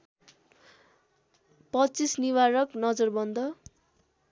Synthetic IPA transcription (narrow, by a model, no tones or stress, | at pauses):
pʌt͡sisniwaɾʌknʌd͡zʌrbʌnd̪ʌ